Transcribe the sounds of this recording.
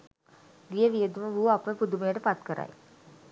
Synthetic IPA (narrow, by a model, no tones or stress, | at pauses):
ʋijəʋiəd̪uməʋuːapʋəpud̪umejəʈəpat̪kəɾa̰j